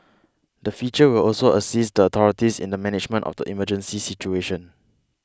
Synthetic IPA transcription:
dəfjut͡ʃəwilɔlsoəsistdəɔt̪ʰɔɹitisḭ̃ndəmɛnɪd͡ʒmə̃ntɔ̰fdə̰ʔḭməd͡ʒə̃nsisit͡ʃueʃə̃n

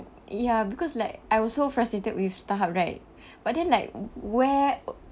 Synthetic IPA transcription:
jabikʰɔslaɪk̚ʔajwɔssofɹastɹetət̚wifstaɦap̚ɹaɪt̚ | b̥at̚dɛ̃nlaɪk̚wɛ

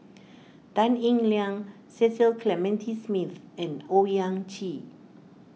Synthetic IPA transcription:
d̥ãnĩŋliãŋ | sɛsilkʰlɛmɛ̃ntʰismiθɛ̃nojãŋt͡ʃi

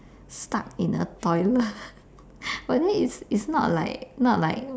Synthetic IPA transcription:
stak̚ĩnə̰tɔɪlə | badɛmiitsitsnɔtla̰ɪk̚nɔʔ̚laɪk̚

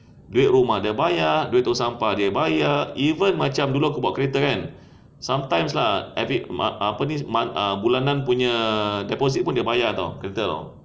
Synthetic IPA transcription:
duɪt̪̚ɾumahdiəbajaduɪt̪̚ːosampadiabajaivənmat͡ʃamdulukubaʔkəɾet̪əkan | samt̪ajms̬lahafiʔapənimaəbulanãnpuɲãdɛpos̬it̪̚pundiəbajaat̪a̰wkəɾet̪əɾɔ̰

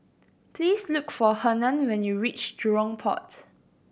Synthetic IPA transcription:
pʰliːslukfɔhənãnwɛ̃njuɹit͡ʃdɹɔ̃ŋpʰɔ̰t

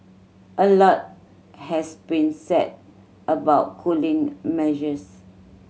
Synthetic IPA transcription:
ʔəlɔt̚ | hɛsbĩnsɛ̰d̚ | əbaʊt̚kʰulĩŋmɛʒəs

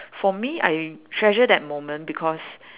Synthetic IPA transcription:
fɔmia̰jtʰɹɛʒədɛt̚mõmə̃nbikʰɔs

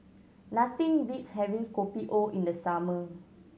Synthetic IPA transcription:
nat̪ĩŋɹitshɛvĩŋkopiʔoʔĩndəsamə

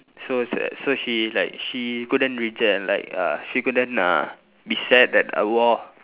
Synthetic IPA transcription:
sossoʃilaɪk̚ʃikudə̃nɹid͡ʒɛla̰ɪka̰ʃikudə̃na̰ | bisɛt̚ɛtə̰wɔ

